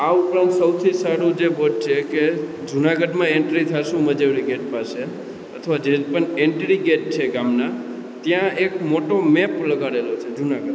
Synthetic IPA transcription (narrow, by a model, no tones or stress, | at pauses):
aupɾãnt̪səwt̪ʰisaɽũd͡ʒeboʈ̚t͡ʃʰeke | d͡ʒunaɡəɖmãeɳʈɾit̪ʰaʃũməd͡ʒeʋɾiɡeʈ̚paʃe | ət̪ʰʋad͡ʒepəɳeɳʈɾiɡeʈ̚t͡ʃʰeɡamna | t̪jãekmoʈomepləɡaɾelot͡ʃʰed͡ʒunaɡəɖ